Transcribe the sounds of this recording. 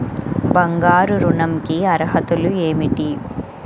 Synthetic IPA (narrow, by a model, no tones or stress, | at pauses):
bɐŋɡaːɾuɾunɐmkiɐɾɦɐt̪ulueːmiʈi